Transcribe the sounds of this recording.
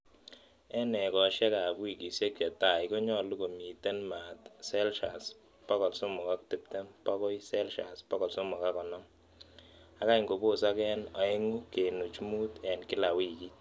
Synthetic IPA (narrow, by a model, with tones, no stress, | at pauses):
ɛ˦nɛ˨kɔ˨ʃɛ˦ka˨kwi˦˨ki˨sje˦k̚t͡ʃɛ˨ta˨jko˦ɲɔ˦lu˦ko˨mi˨te˦nma˨tsɛ˦lʃa˨s | pɔ˦kɔ˨lso˦mʊ˨ka˦k̚tɪ˨p̚te˦mpɔ˦kɔ˦jsɛ˦lʃa̰˨spɔ˦kɔ˨lso˦mʊ˨ka˦kɔ˨nɔ˦m | a˦ka˦i˨ŋɡo˨bo˦˨sa˦kɛ˦nɔ˨e˦ŋu˦ke˨nu˨t͡ʃmu˦tɛ˨nkɪ˦la˨wi˦ki˦